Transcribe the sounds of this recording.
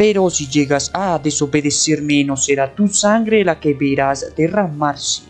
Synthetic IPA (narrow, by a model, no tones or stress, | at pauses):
peɾosiʝeɣasaðesoβeðeseɾmenoseɾat̪usaŋɡɾelakeβeɾazd̪eramaɾse̥